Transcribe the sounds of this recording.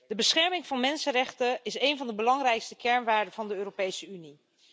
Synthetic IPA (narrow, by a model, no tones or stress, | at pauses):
dəbəsχɛɹmɪŋv̥ɑnmɛnsərɛχtəɪsejnvɑndəbəlɑŋrɛjkstəkɛɹnʋaːɹdəvɑndəøːropejsəyni